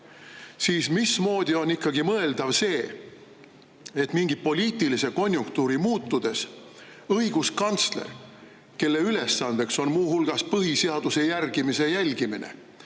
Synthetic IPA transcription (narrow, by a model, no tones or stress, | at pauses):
siːsmismo̞ːd̪̥io̞nikːɑɡimɤe̞ld̪̥ɑvse̞ː | et̪miŋɡ̥ipo̞lʲiːt̪ilise̞ko̞nʲjuŋkt̪uːɾimuːt̪ːˑud̪̥e̞s | ɤiɡ̥uskɑnt̪slḛr | ke̞lːe̞yle̞sːɑnd̪̥e̞kso̞nmuːɦulɡ̥ɑspɤɦiseɑd̪̥use̞jærɡ̥imise̞jælʲɡiminḛ